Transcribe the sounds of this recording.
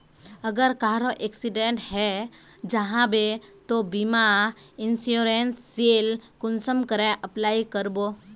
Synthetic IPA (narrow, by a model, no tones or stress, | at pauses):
əɡəɾkaɦɾoʔeksiɖeɳʈhɛ | d͡ʒəɦãbet̪obimaɪnsjoɾensːelkʊnsəmkəɾeʔəplaikəɾbo